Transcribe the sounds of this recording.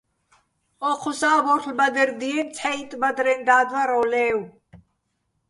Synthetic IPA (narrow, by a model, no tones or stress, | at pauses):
ɔqʰɔsaːbɔɾʰlbad̪ɛɾd̪iɛnt͡sʰħɛit̪ʼbad̪ɾɛnd̪aːd̪waɾɔːlɛːw